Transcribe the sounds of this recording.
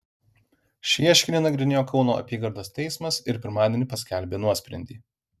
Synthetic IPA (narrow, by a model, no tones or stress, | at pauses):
ʃʲiɛʃʲkʲɪnʲeːnɐɡɾʲɪnʲeːjoːkɒʊno̰ːʔɐ̰pʲiːɡɐɾd̪oːst̪ʲɛɪsmɐsɪɾpʲɪɾmɑːd̪ʲenʲɪˑpɐsʲkʲælʲbʲeːnuɔsʲpʲɾʲɛ̰nʲd̪ʲiː